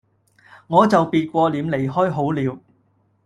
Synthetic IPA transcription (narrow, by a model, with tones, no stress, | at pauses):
ŋɔː˨˧t͡sɐ˨wpiː˨t̚kʷɔː˧liː˨˧mle˨˩jɦɔː˥jɦo˨˥wliː˨˧w